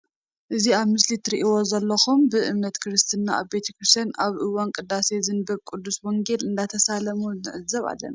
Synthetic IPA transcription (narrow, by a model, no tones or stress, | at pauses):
ʔɨziaβmɨslit̪ʰɨɾiʔiwozɐlːɐxumbɨʔɨmnɐt̪kʰɨɾɨst̪ʰɨnːaʔa̰βbet̪ʰɐkɾɨst̪anaβʔɨwːankʼɨd̪ːase̞zɨnbɐβkʼud̪ːusmoŋɡe̞lɨnd̪at̪ʰɐsalɐmuɨʕɨzːɐβa̰lːɐ̰na